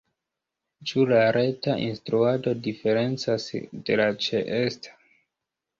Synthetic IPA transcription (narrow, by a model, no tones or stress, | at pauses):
t͡ʃulaɾe̞taʔinstɾuado̞dife̞ɾe̞nt͡sasde̞lat͡ʃeʔestḁ